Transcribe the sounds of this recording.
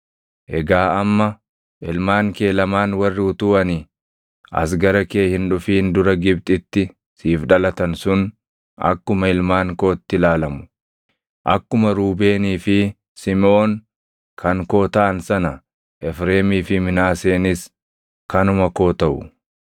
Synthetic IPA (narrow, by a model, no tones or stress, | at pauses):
ʔɛɡaːɐmːɐ | ʔɪlmaːŋke̞ːlɐmaːnwɐrːɪʊt̪ʊːʔɐnɪ | ʔɐ̰s̬ɡɐɾɐkeːhɪnᶑʊfiːnd̪ʊɾɐɡɪb̚t̪ʼɪt̪ːɪ | siːfᶑɐlɐt̪ɐnsʊn | ɐ̰kːʊmɐɪlmaːŋko̞ːt̪ːɪlaːlɐmʊ̥ | ʔɐkːʊmɐɾuːbe̞ːniːfɪ | sɪmo̞ːn | kʰɐŋko̞ːt̪ɐʔɐnsɐnɐ | ʔɛfɾeːmiːfɪmɪnaːse̞ːnɪs | kɐnʊmɐko̞ːt̪ɐʔʊ̰